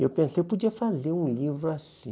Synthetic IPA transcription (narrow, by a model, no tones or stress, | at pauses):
ewpẽsejpod͡ʒiɐfazeũlivɾuasĩ